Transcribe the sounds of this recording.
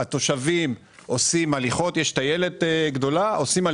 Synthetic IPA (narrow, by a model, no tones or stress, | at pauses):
at̪o̞ʃavim | o̞simaliχo̞t̪jeʃtaje̞leteɡd̪o̞laʔo̞sima